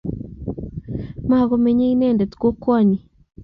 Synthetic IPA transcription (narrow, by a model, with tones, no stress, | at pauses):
ma˨ɣo˨me˨ɲe˦i˦nɛ˦˨nde˨t̪ko˦kwɔ˦˨ɲi˨